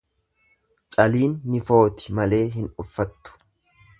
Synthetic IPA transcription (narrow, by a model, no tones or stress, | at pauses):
t͡ʃʼɐliːnːɪfo̞ːt̪ɪ̥mɐle̞ːɦɪnʊfːɐt̪ːʊ̥